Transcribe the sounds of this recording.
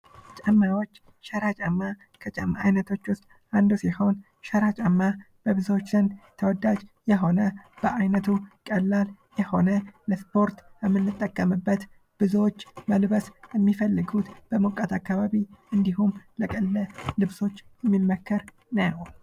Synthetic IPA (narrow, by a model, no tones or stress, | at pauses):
t͡ʃʼəmːawo̞t͡ʃː | ʃəɾat͡ʃʼamːa | kʰət͡ʃʼamːaajnət̪ʰo̞t͡ʃːwʊst̪ʼ | ʔand̪usiho̞n | ʃəɾat͡ʃʼamːa | b̥əβɨzwot͡ʃːlənt̪ʰəwɔd̪ad͡ʒjɛɦo̞nəb̥əʔajnət̪ʰukʼəlːal | jɛho̞nələspo̞ɾt̪jɛmːɨnːɨt̪ʼːəkʼːəmɨbːət̪ | b̥ɨzot͡ʃːməlβəsjɛmːifəlːɨɡut̪b̥əmokʼːat̪akːaβaβiʔɨnd̪iɦumləkʼəlːəlɨβso̞t͡ʃːjɛmːimːəkʰːəɾ | nəjw